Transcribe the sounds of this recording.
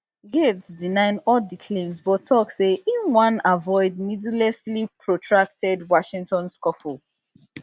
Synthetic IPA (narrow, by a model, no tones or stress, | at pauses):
ɡesdinãɪ̃nɔdikʰlẽmsbɔtʰːɔkseʔĩnwãnavɔɪd̚midlɛslipʰɹɔtʰɹak̚tɛdwɔʃĩŋtɔ̃nskɔfl